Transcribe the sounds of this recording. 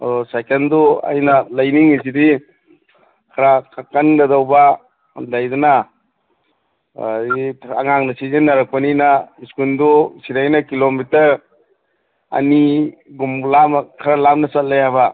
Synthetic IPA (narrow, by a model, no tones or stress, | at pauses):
adɔsajkendɔa̰jnalajniŋis̬idi | kʰaɾakʰakːanɡɐdawba̰ | dajduna | a̰ŋaŋnasizenːaɾak̚paninaiskundusiɾajnakilomitɐɾ | ɐ̰niɡumlamkʰɐɾalamnɐsat̚lajaba